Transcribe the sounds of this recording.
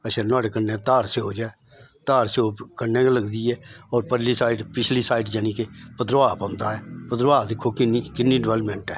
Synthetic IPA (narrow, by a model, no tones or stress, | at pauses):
əʃʰɛ̃ːnwaːɽeːkənːẽːt̪aːɾseɦoːd͡ʒaːɛ | t̪aːɾsoːkənːẽːkləɡd̪iːɛːɔːɾpəɾliːsaːiɖpɪt͡ʃʰliːsaːiːɖd͡ʒənĩːkeːpəd̪ɾʋaːpãːʊ̃nd̪aːɛːpəd̪ɾʋaːd̪ɪkʰːoːkɪniːkɪnːiːɖɪʋɛlpmɛ̃ːɳʈɛː